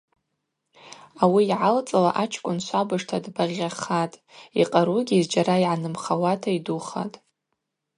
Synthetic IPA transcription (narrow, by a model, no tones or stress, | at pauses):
awiːʕalt͡sʼalaʔat͡ʃʰkʷʼʊnʃʷabɨʂtʰadbaʁʲaχatʼiqʼaɾuɡʲiːzd͡ʒaɾaiʕanɨmχawatʰaiduχa̰tʼ